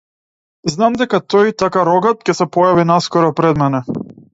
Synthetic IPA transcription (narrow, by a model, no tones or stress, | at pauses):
znamd̪ɛkat̪ɔjt̪akaɾɔɡat̪cɛsɛpɔjavinaskɔɾɔpɾɛd̪mɛnɛ